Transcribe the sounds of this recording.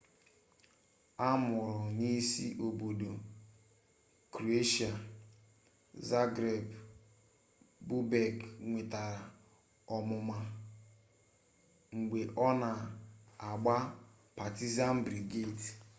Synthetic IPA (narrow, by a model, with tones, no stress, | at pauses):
a˦mʊ˨ɾʊ˨ni˦si˦ʔo˨bo˨do˨ | kɾo˨e˦ʃa˨ | za˦ɡɾe˨b | bu˦bɛ˨ɡŋʷe˨ta˨ɾa˨ | ɔ˨mʊ˨ma˨ | ŋ͡m̩˨ɡ͡be˨ʔɔ˦na˨a˨ɡ͡ba˦ | pa˨ti˦za˦n̩˦bɾi˨ɡe˦˨t